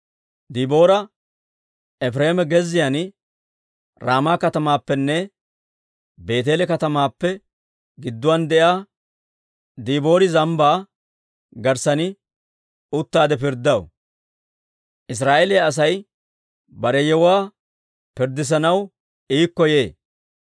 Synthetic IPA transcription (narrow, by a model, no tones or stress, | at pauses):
d̪iːbo̞ːɾɐ | ɛf̬ɾeːmɛɡɛzːɪjan | ɾaːmaːkɐt̪ɐmaːpːɛnːɛ | be̞ːt̪̬eːlɛkɐt̪ɐmaːpːɛ | ɡɪd̪ːʊwaːnd̪ɛʔjaː | d̪iːbo̞ːɾɪzɐmbaː | ɡɐɾsɐnɪ | ʊt̪ːaːd̪ɛp̬ɪɾd̪ɐw̰ | ʔɪs̬ɾaːʔelɪjaɐs̬ɐj | bɐɾɛjɛwaː | pɪɾd̪ɪs̬ɐnɐw | iːkːɔje̞ː